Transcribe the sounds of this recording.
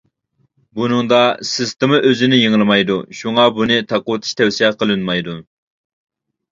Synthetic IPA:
bunɨŋd̪ɑsɪst̪ɨmɨʔøzɪnɪjiŋlˠɨmɑjd̪uʃuŋɑbunɨt̪ʰɑqʊwt̪ʰu̥ʃt̪ʰɛwsijɛqʰəlˠɨnmɑjd̪u

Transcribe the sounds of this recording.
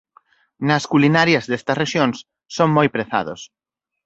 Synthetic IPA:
nɐskulinaɾjɐzðest̪ɐsreʃjõŋs | soŋmojpɾeθa̰ðo̰s

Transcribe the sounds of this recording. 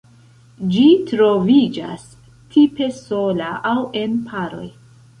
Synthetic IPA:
d͡ʒitɾo̞vid͡ʒa̰s | tʰipe̞so̞laʔawʔe̞npʰaɾo̞̰j

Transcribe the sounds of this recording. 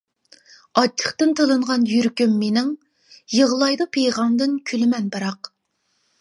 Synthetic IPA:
ɑt͡ʃʰːə̥χt̪ɨnt̪ʰəlˠɨɴʁɑnjyɾkʲymːenɪŋ | jəʁlˠɑjd̪ɨpʰejʁɑmd̪ɨnkʲʰylɪmɛnbɑɾɑq

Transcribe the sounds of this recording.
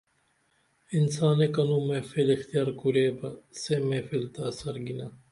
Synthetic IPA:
insaːneːkɐnuːmẽːfilixt̪ijaːɾkuɾeːbɐsemeːfilt̪asɐɾɡina

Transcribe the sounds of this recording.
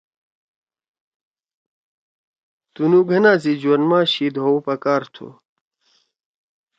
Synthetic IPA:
t̪unuɡʱɐnãːzid͡ʑuwɐnmaːɕiːd̪owpɐkaːɾt̪ʰṵ

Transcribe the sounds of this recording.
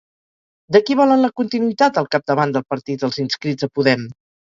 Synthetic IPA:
d̪əkiβɔlənləkunt̪inuit̪at̪əlˠkap̚d̪əβand̪əlˠpəɾt̪it̪əlˠzinskɾizəpuðɛm

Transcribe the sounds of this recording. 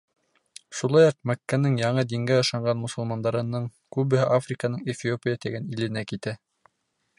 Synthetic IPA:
ʃulˠɑjɑq̚mækːænɘɴjɑɴɤd̪iŋɡæɤ̆ʃɑɴɢɑnmŏsŏlˠmɑnd̪ɑɾɤ̆nɤɴ | kʉβɘ̆hɘʔafrʲikɑnɤɴefʲiopʲijat̪æɡænilɘ̆nækit̪æ

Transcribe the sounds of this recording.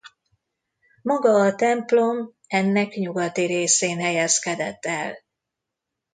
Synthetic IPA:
mɒɡɒːt̪ɛmplo̞m | ɛnːɛkɲuɡɒt̪iɾeːseːnɦɛjɛskɛd̪ɛt̪ːɛ̰l

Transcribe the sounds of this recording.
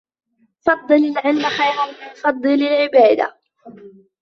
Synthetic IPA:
fɑd̪ˤːɨlalʕɪlmaxajɾanbɪfɑd̪ˤːɨlalʕɪbaːd̪a̰

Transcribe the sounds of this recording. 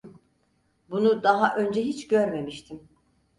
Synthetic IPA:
bunud̪aɦaʔø̞nd͡ʒɛɦit͡ʃɟø̞ɾme̞miʃt̪ʰim

